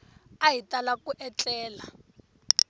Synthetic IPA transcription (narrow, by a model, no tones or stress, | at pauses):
ajitʼalakuʔɛt͡ɬʼɛːla